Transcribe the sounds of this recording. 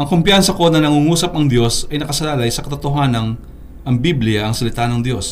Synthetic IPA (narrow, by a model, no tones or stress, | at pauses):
ʔɐŋkompjansɐko̞nɐnɐŋuːŋuːsɐp̚ɐŋd̪jo̞sɐjnɐkɐsɐlaːlɐjsɐkɐt̪ot̪oɦaːnɐn | ʔɐŋbiblɪjɐʔɐŋsɐlɪt̪anɐŋd̪jo̞s